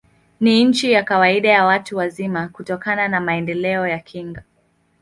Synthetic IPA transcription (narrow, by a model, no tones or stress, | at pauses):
niɲ̩t͡ʃijakawaiɗajawatuwazimakutɔkananamaɛndɛlɛɔjakʰiŋɡa